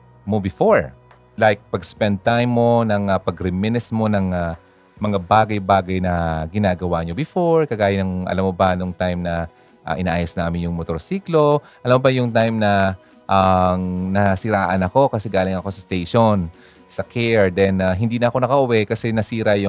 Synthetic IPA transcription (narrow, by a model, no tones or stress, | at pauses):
mobɪfoɹ | lajk̚pɐɡspɛnd̪̚t̪ajmːo̞nɐŋɐpɐɡɾɪmɛnɛsmo̞nɐŋa | mɐŋabaːɡɐjbaːɡɐjnɐɡɪnaːɡɐwaɲobɪfoɹkɐɡaːjɐnɐŋʔɐ̰lamːo̞bɐnoŋt̪ajmnɐ | ʔa̰ʔɪnaʔaːjosnaːmɪnjʊŋmot̪oɹsiːklo̞ʔɐlamːobɐjʊŋt̪ajmnɐ | ʔaŋnɐsɪɾaːʔɐnɐko̞kɐsɛɡaːlɪŋɐko̞sɐst̪ejʃon | sɐkʰɛɹd̪ɛnaɦɪnd̪iːnɐʔɐko̞nɐkɐʔʊwɛkɐsɛnɐsiːɾɐjʊ